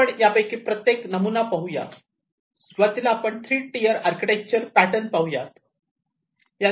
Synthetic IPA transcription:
əɳjapəjkipɾət̪jeknəmunapəɦuja̰t̪ | sʋət̪ilaːpəɳt̪ʰɾiːʈijəɾaɾkiʈek̚t͡ɕəɾpæʈənpaɦujat̪ | ja

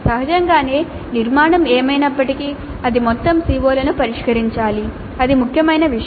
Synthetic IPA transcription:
sɐɦɐd͡ʒɐŋɡaːne̞ː | niɾmaːɳɐmeːmɐjnɐpːɐʈiki | ɐd̪imɔt̪ːɐmsiːʋoːlɐnupɐɾiʂkɐɾiɲt͡ʃaːli | ɐd̪imukʰjɐmɐjnɐʋiʃ

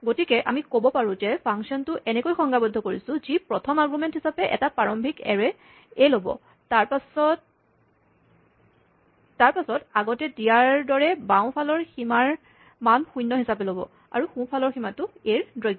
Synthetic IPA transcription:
ɡotikɛʔamikobɔpaɹʊ̃zɛpʰaŋksiɔntʊʔɛnɛkojxɔŋɡabɔdʱːɔkoɹisʊ̃zipɹɔtʰɔmaɡɹumɛnthisapɛʔɛ̰tapɹaɹɔmbʱikɛ̰ɹɛ | elobɔ̰ | taɹpasɔt | aɹpasɔtaɡɔtɛdijaɹdɔɹɛbãʊ̃pʰalɔɹximaɹ | manxujnːɔɦisapɛlobɔ̰ | a̰ɹuxũpʰalɔɹximatʊeɹdɹɔjɡɔ

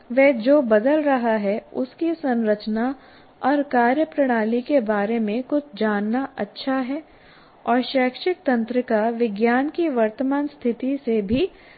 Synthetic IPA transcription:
ʋɛːd͡ʒoːbɐd̪əlɾɐɦaɦɛʊ̰skisɐ̃nɾət͡ʃna | ɔːɾkaːɾjəpɾɐɽ̃aːlikebaːɾemẽkʊt͡ʃʰd͡ʒaːnːaʔɐtːʃʰaɦɛː | ɔːɾʃɛːkʃɪk̚t̪ɐ̃nt̪ɾɪkaʋɪɡjaːnkiʋɐɾt̪əmaːnst̪ʰɪt̪isebʱi

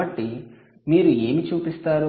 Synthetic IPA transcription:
ɐʈːi | miːɾue̞ːmit͡ʃuːpist̪aːɾu

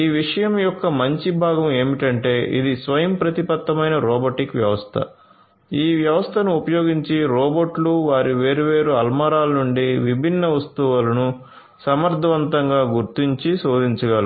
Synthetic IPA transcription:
iːʋiʂɐjɐmjɔkːɐmɐɲt͡ʃibʱaːɡɐme̞ːmiʈɐɳʈe̞ːʔḭd̪isʋɐjɐmpɾɐt̪ipɐt̪ːɐmɐjnɐɾɔːboʈikʋjɐʋɐst̪ʰɐ̰ | iːʋjɐʋɐst̪ʰɐnuːpɐjo̞ːɡiɲt͡ʃiɾɔːboʈluʋaːɾiʋe̞ːɾuʋeːɾuɐlmɐɾaːlɐnuɳɖiʋibʱinːɐʋɐst̪uʋulɐnu | sɐmɐɾd̪ʱɐʋɐnt̪ɐŋɡaːɡuɾt̪iɲt͡ʃiso̞ːd̪iɲt͡ʃɐɡɐli

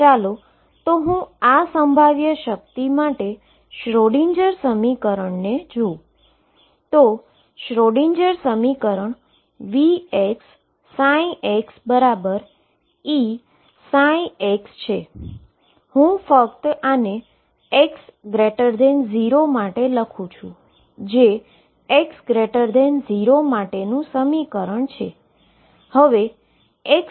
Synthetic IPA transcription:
t͡ʃalo | t̪oɦũasəmbʱaʋjəʃək̚t̪imaʈe | ʃɾoɽiɲd͡ʒəɾsəmikəɾəɳned͡ʒũ | t̪o | ʃɾoɽiɲd͡ʒəɾsəmikəɾəɳ | ʋieksː | ãĩʔeksbəɾabəɾ | i | sãĩekst͡ʃʰe | hũfək̚t̪əne | eksɡɾeʈəɾd̪enziɾomaʈeləkʰũt͡ʃʰũ | d͡ʒe | eksɡɾeʈəɾd̪enziɾomaʈenũsəmikəɾəɳt͡ʃʰḛ | həʋe | ek

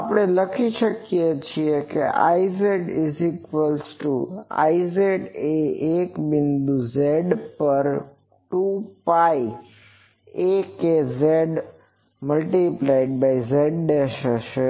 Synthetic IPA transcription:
apəɽ̃eləkʰiʃəkijet͡ʃʰiekḛʔa̰izeɖizikʋəlsʈua̰izeɖeekbɪnd̪uzeɖpəɾ | ʈupaj | ekezeɖ | məlʈiplaiɖ̚bajzeɖɖeʃəʃe

